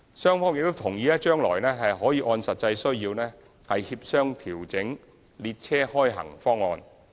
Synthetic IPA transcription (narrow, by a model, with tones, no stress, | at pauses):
sœː˥ŋfɔː˥ŋjɪ˨k̚t̪o˥wt̪ʰʊ˨˩ŋjiː˨˧lɛː˥t͡ʃœː˥ŋlɔː˨˩jnɛː˥ɦɐ˨jɦɔː˨˥jiː˧ʔɔː˧nsɐ˨t̚t͡sɐ˧jsɵ˥ɥjiː˧wnɛː˥ | hɐ˨jhiː˧p̚sœː˥ŋt̪ʰiː˨˩wt͡sɪ˨˥ŋ | liː˧t̚t͡sʰɛː˥hɔː˥jɦɐ̰˨˩ŋfɔː˥ŋɔː˧n